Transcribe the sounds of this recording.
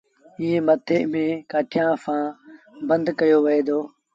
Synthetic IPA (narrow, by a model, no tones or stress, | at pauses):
iːɦẽːmət̪ʰemẽːkaːʈʰɪjãːfãː | bə̃nd̪kəjoːʋɪeːd̪oː